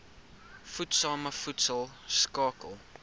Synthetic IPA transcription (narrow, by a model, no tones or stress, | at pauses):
futsɑːməfutsəlˠskɑːkə̰lˠ